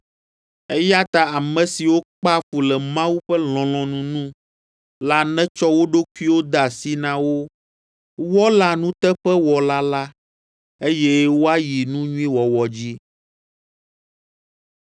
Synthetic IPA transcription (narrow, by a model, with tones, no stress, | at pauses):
ɛ˦ja˦t̪a˨a˨mɛ̃˨si˨wo˦k͡pa˦fu˨lɛ˨mã˦wu˦ɸɛ˦l̃ɔ̃˨l̃ɔ̃˨nũ˨nũ˦ | la˦nɛ̃˦t͡ʃɔ˦wo˦ɖo˦ku˦i˦wo˦d̪a˨si˦nã˦wo˦ | wɔ˦la˨nũ˦t̪ɛ˦ɸɛ˦wɔ˨la˦la˦ | e˦jɛ˦wo˦a˦ji˨nũ˦ɲũ˦ĩ˦wɔ˨wɔ˨d͡ʑi˦